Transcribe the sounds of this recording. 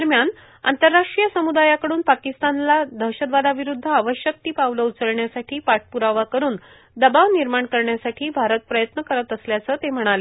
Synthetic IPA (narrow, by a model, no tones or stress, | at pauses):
əɾmjan | a̰nt̪əɾːaʂʈɾijəsəmud̪ajakəɽuːnpakist̪anlad̪ʱəɕəd̪ʋad̪aʋiɾud̪ʱːəaʋəɕjək̚t̪iːpaʋləut͡səɭɳjasaʈʰiːpaʈ̚puɾaʋakəɾuːn | d̪əbaʋniɾmaɳkəɾɳjasaʈʰiːbʱaɾət̪̚pɾəjət̪nəkəɾət̪əsljat͡səːt̪em̤əɽ̃ale